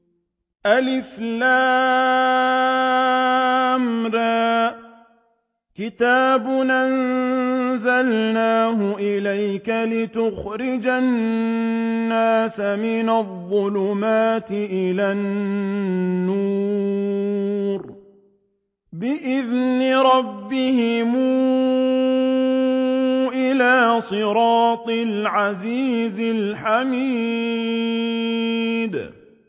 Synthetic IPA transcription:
ʔalɪflaː | mɾaː | kɪt̪aːbʊnʔan | zalnaːɦʊʔɪlajkalɪt̪ʊxɾɪd͡ʒanː | aːsamɪnaðˤːʊlʊmaːt̪ɪʔɪla | uː | ɾ | bɪʔɪðnɪɾˤɑbːɪhɪmu | ʔɪlaːsˤɨɾɑːt̪ˤɪlʕaziːzɪlħamiː | d̪

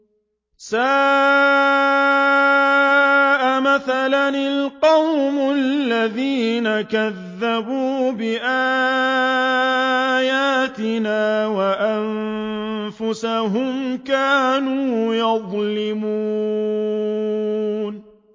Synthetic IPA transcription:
saː | ʔamaθalanɪlqɑwmʊalːaðiːnakaðːabuːbɪʔaː | jaːt̪ɪnaːwaʔan | fʊsaɦʊmkaːnuːjɑðˤlɪmuː | n

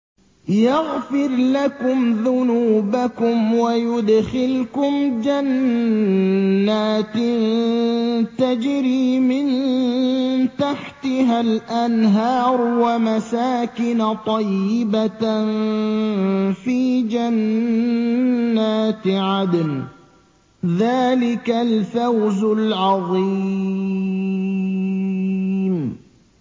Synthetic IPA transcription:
jaɣfɪɾlakʊmðʊnuːbakʊmwajʊd̪xɪlkʊmd͡ʒan | aːt̪ | t̪ad͡ʒɾiːmɪn | t̪aħt̪ɪɦalʔanɦɑːɾwamasaːkɪnat̪ˤɑjːɪban | fiːd͡ʒan | aːt̪ʕad̪n | ðaːlɪkalfawzʊlʕɑðˤi | m

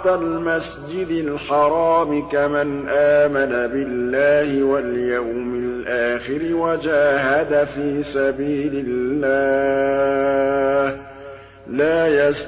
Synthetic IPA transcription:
almas | d͡ʒɪd̪ɪlħɑɾˤɑːmɪkamanʔaːmanabɪlːaːhɪwaljawmɪlʔaːxɪɾɪwad͡ʒaːɦad̪afiːsabiːlɪlːaː | h | laːjas

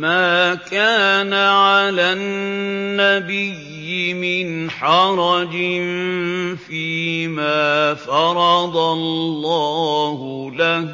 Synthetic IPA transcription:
maːkaːnaʕalaːnː | abɪjːɪmɪnħɑɾˤɑd͡ʒɪnfiːmaːfɑɾˤɑd̪ɑllːɑːhʊlah

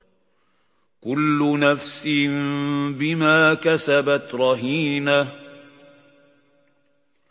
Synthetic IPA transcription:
kʊlːʊnafsɪmbɪmaːkasabat̪ɾˤɑɦiːna

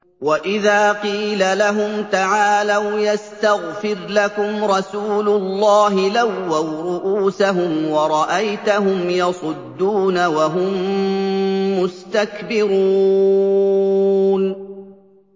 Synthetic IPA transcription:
waʔɪðaːqiːlalaɦʊmt̪aʕaːlawjast̪aɣfɪɾlakʊmɾˤɑsuːlʊlˤːɑːɦɪlawːawɾʊʔuːsaɦʊmwɑɾˤɑʔajt̪aɦʊmjɑsˤʊd̪ːuːnawaɦʊm | ʊst̪akbɪɾuː | n

